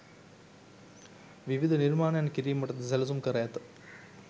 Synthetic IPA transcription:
ʋiʋid̪ʱɐniɾmaːɳanɐkiɾijɐmɐʈɐd̪ɐsɛlɐs̬umkɐɾɐjɐt̪

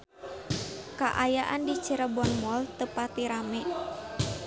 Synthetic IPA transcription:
kaʔajaʔandit͡ʃəɾəbɔnmɔlt̪əpat̪iɾamɛʔ

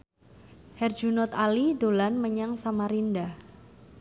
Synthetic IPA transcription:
hɛrdd͡ʒunɔt̪alid̪olanməɲaŋsamaɾindah

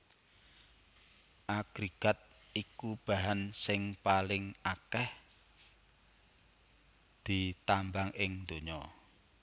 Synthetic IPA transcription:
ʔaɡ̥ɾiɡ̥a̤t̪̚ | ikub̥a̤ɦansɪŋpalɪŋakɛh | d̪̥it̪ambaŋʔɪŋd̪oɲɔ

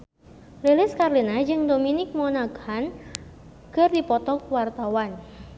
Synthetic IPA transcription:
lelɪskarlinad͡ʒɨŋdominɪk̚mɔnaɡhan | kərdipɔt̪ɔkwart̪awan

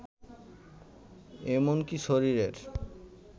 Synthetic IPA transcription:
emonkiʃoɾiɾeɾ

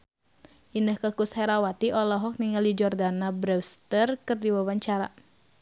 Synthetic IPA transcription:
ʔinəhkəkushɛɾawat̪iʔɔlɔɦɔk̚niŋaldid͡ʒɔrdanabɾɛst̪ərkɨrdiwawaɲt͡ʃaɾa

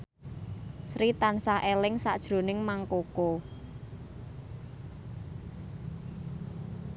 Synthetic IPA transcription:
sɾit̪ansaʔelɪŋsa̰d̥ʒ̥ɾo̤nɪŋmaŋkoko

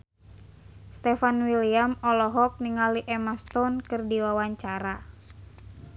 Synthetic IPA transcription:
st̪ɛfanwiliamɔlɔɦɔk̚niŋaliʔɛmast̪ɔnkɨrdiwawaɲt͡ʃaɾa

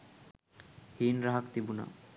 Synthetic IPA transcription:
hiːnɾaɦakt̪ibuna̰

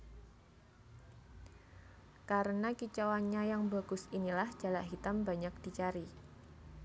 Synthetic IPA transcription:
kaɾənakit͡ʃawaɲajaŋbaɡ̥ʊ̤sinilahd͡ʒ̥a̤laʔɦit̪ambaɲak̚d̥i̤t͡ʃaɾi

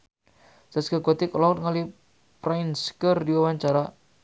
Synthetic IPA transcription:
saskəɡɔt̪iklawʊt̪̚ŋali | pɾanskərdiwawaɲt͡ʃaɾa

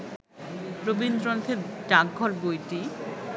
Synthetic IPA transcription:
ɾobind̪ɾɔnt̪ʰeʈaɡʱɔɾbojʈi

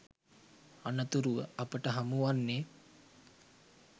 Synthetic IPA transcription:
anət̪uɾuʋə̰apəʈəɦamuʋanːe

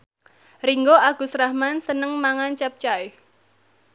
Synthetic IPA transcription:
riŋɡoaɡ̥ṳsɾahmansənəŋmaŋant͡ʃap̚t͡ʃaɪh

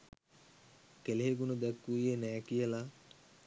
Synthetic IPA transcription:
keleɦeɡunəd̪ɛkːuijenæːkijəla

